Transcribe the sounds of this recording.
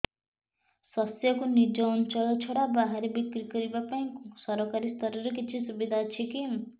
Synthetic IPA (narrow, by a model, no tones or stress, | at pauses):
sʌsjʌkunid͡ʒɔunt͡ʃɔlɔt͡ʃʰoɽabaɦaɾebikɾikʌɾibapaĩksʌɾɔkaɾist̪ʌɾʌɾʌkit͡ʃʰisubid̪ʱat͡ʃʰiki